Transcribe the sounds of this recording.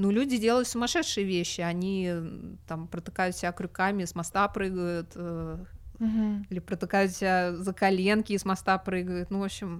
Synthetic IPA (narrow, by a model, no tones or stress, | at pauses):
nulʲudʲɪdʲe̞lˠəjʊt̪sʊmɐʂɛt̪ʂɨjəvʲeɕːɪɐnʲi | t̪ampɾət̪ɨkajʊt̪sʲɪbʲakɾʲʊkamʲɪsmɐst̪apɾɨɡəjʊt̪ə | ilʲɪpɾət̪ɨkajʊt̪sʲɪbʲazəkɐlʲe̞nkʲɪːszmɐst̪apɾɨɡəjʊt̪nuvopɕːɪm